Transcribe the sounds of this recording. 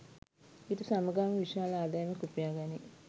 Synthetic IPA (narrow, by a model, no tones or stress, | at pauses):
it̪usaməɡaːmʋiʃaːləaːd̪ajmekupijaːɡani